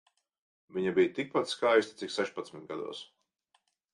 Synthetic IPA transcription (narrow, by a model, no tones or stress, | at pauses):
viɲabijt̪ik̚pat̪skajsʲt̪i̥t̪iksɛʃpat̪smʲit̪̚ɡad̪ṵɔs